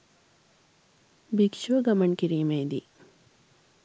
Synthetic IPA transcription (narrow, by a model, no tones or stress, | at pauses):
bikʃoɡɐmɐɳkiɾiːmeːd̪ḭ